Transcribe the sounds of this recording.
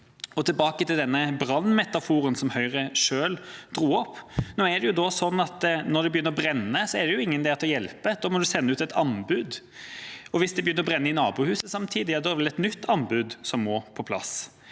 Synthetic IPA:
ɔt̪ʰɪlbɑːkət̪ɪld̪ɛnːəbɾɑnːmɛt̪ɑfuːɾənsɔmhœʏʁəʂøːld̪ɾuːɔpːnoːɛɖ̪ɛjʊd̪osɔnːɑt̪nɔd̪ɛbəjʏnːəɾɔbɾɛnːəsɔɛd̪ɛjʊɪŋːənd̪ɛːt̪ʰlɔjɛlpəd̪̥oːmɔd̪ʉsɛnːəʉːt̪ɛt̪ʰɑnbʉd̪ | ɔʋɪsd̪ɛbəjʏnːəɾɔbɾɛnːəɪnɑːbuːhʉːsəsɑmt̪ʰiːd̪ɪd̪ɛʋɛlɛt̪nʏt̪ʰːɑnbʉːd̪sɔmːɔpʰɔpʰlɑ̰s

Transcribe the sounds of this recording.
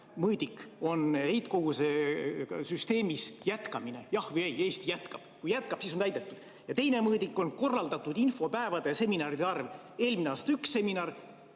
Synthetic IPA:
mɤːd̪ikːo̞nhe̞jt̪ko̞ɡuse | syst̪e̞ːmisjæt̪kɑmine̞jɑhvɯjeje̞ːst̪ijæt̪kɑb̥kujæt̪̚kɑb̥siso̞nt̪æjd̪et̪ːˑud̪̥ | jɑt̪ejne̞mɤːd̪ikˑːo̞nko̞rːɑld̪ɑt̪ːˑud̪info̞pæevɑd̪e̞se̞minɑːɾid̪eɑrv | e̞ːlmineɑːst̪ɑyksːe̞minɑr

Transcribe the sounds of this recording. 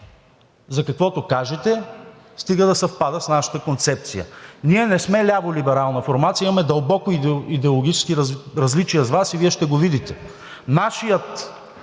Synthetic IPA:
zɐkɐkvɔt̪okaʒɛt̪ɛ | st̪iɡəd̪ɐsɛfpad̪əsnaʃɐ̥t̪əkont̪sɛp̚t̪sijə̰niɛnɛsmɛlʲabolibɛɾalˠnɐfoɾmat̪sjimɐmɛd̪ɐlˠbɔkoiid̪ɛolˠoɡʲit͡ʃɛskiɾɾɐzlit͡ʃijəzvasiviɛʃt̪ɛɡovid̪it̪ɛ | naʃijət̪

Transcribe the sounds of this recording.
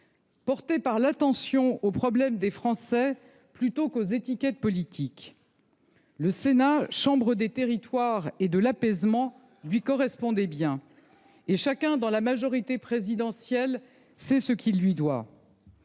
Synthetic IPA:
pɔʁt̪epaʁlat̪ɑ̃sjɔ̃opχɔblɛmd̪efχɑ̃sɛ | plyt̪okozet̪ikʲɛt̪̚pɔlit̪ʰik | ləsenaʃɑ̃bʁəd̪et̪eʁit̪waʁed̪əlapɛzmɑ̃ | lɥikɔʁɛspɔ̃d̪ɛbjɛ̃ | eʃakʲɛ̃d̪ɑ̃lamaʒɔʁit̪epχezid̪ɑ̃sjɛl | sɛsəkʲʰilːɥid̪wa

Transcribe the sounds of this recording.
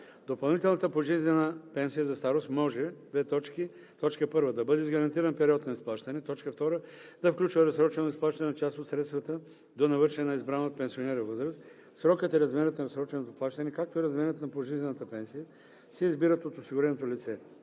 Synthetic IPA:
d̪opɐlˠnit̪ɛlˠnɐt̪əpoʒiznɛnəpɛnsijəzɐst̪aɾost̪mɔʒɛd̪vɛt̪ɔt͡ʃki | t̪ɔt͡ʃkəpɤɾvəd̪ɐbɤd̪ɛizɡɐɾɐnt̪iɾɐnpɛɾiɔt̪nɐisplˠaʃt̪ɐnɛt̪ɔt͡ʃkəft̪ɔɾə | d̪̥ɐfklʲut͡ʃvɐɾɐsɾɔt͡ʃɛnoisplˠaʃt̪ɐnɛnɐt͡ʃast̪ot̪sɾɛt̪st̪vɐt̪ə | d̪onɐvɤɾʃɛnɛnɐizbɾanot̪̚pɛnsionɛɾɐvɤzɾəst̪ | sɾɔkət̪iɾɐzmɛɾət̪nɐɾɐsɾɔt͡ʃɛnot̪oplˠaʃt̪ɐnɛkak̚t̪oiɾɐzmɛɾət̪nɐpoʒizʲɛnɐt̪əpɛnsijə | sɛizbiɾət̪ot̪osiɡʊɾɛnot̪olit̪sɛ

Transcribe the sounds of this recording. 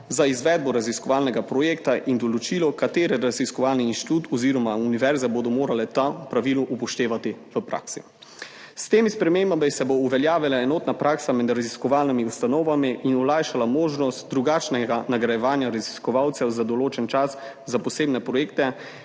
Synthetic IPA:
zaizʋɛd̪̚bɔɾaziskɔʋaːlnɛɡapɾɔjeːkt̪aʔind̪ɔlɔt͡ʃilɔkat̪eːɾɛɾaziskɔʋaːlniiːnʃt̪i̥t̪ut̪ʰɔziːɾɔmauniʋɛɾzɛbod̪ɔmoːɾalɛt̪aupɾaʋiːluʔupɔʃt̪eːʋat̪iʋəpɾa̰ːksi | st̪eːmispɾɛmembamisɛbouʋɛljaːʋilaɛnoːt̪napɾaːksamɛd̪ɾaziskɔʋaːlnimiust̪anɔːʋamiʔːnulaːjʃalamoːʒnɔst̪̚d̪ɾuɡat͡ʃnɛɡanaɡɾajɛʋaːnjaɾaziskɔʋawt̪sɛwzad̪ɔloːt͡ʃɛnt͡ʃas | zapɔseːbnɛpɾɔjeːk̚t̪ɛ

